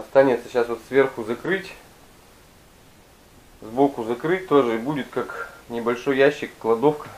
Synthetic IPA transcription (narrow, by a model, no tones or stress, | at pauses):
ɐt̪st̪anʲɪt̪səɕasvo̞t̪svʲe̞rxʊzɐkɾɨtʲ | zbokʊzɐkɾɨt̚ʲt̪oʐɨibudʲɪt̪kaknʲɪbɐlʲʂo̞jːæɕːɪkːlˠɐd̪o̞fkə